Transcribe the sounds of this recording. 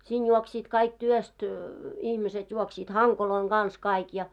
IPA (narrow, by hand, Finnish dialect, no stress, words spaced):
siːn juoksiːt kɑik tyøst ihmiset juoksiːt hɑŋkoloiŋ ɡ̊ɑns kɑik jɑ